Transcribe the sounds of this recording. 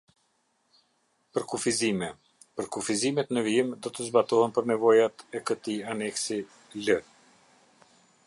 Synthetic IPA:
pəɾkufizimɛ | pəɾkufizimɛt̪nəviimd̪ɔt̪əzbat̪ɔhɛnpəɾnɛvɔjat̪ɛkət̪ianɛksi | lə

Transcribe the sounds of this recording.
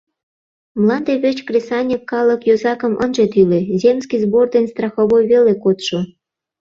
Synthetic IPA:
mlɑnd̪eβʲĕt͡ɕkrʲesɑnʲefkɑləkjozɑkə̆mʔə̰nʒet̪ylezʲemskizbord̪enʲst̪rɑxoβojβelekot̪ʃo

